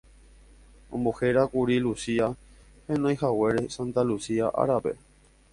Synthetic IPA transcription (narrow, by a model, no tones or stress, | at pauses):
õmboheɾakuɾilusia | hẽnõj̃hawe̞ɾe̞sãnt̪alusiaʔa̰ɾape̞̰